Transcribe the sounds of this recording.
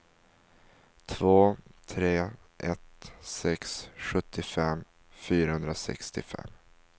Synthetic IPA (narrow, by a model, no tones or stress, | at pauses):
t̪ʰvoːt̪ʰɾeː | ʔɛt̪sɛksɧɵt̪ʰːɪfɛmː | fyːɾahɵnd̪ɾasɛ̰kst̪ɪfɛ̰mː